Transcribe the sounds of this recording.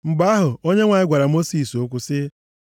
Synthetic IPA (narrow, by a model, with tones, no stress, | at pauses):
ŋ͡m̩˨ɡ͡ba˦ɦʊ˨o˦ɲe˦ŋʷa˨ɪ˦ɡʷa˨ɾa˨mo˦si˨so˦kʷʊ˦sɪ˦